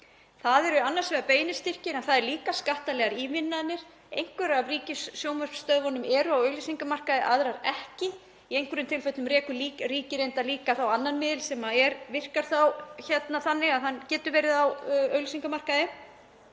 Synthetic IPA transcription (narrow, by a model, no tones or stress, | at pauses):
θaðɛɾʏanːaɾ̥svɛːðapeːjnɪst̪ɪr̥cɪnanθaðɛɾliːkaskaht̪alɛɣaɾimɪnːaðnɪɾ̥ | ḛjŋ̥kvɛɾavriːcɪssːjowmœr̥pst̪œːðvɔnʏmɛːɾʏawœːɥlʏsiŋkamar̥kaðɪʔaðɾaɾɛhcɪ | iejŋkvʏɾʏmt̪ʰɪlfœt̪nʏmrɛːkʏliːɾiːcɪɾejnt̪aliːkaθawanːanmɪðɪlsɛmaɛɾvɪr̥kaɾ̥θawçɛt̪naθanːɪɣaðhanːcɛːt̪ʏɾvɛːɾɪðawœːɥlʏsiŋkamar̥kaðɪ